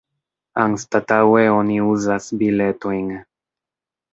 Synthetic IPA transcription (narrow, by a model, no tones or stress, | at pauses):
aŋst̪at̪aweoniuzasbilet̪oiŋ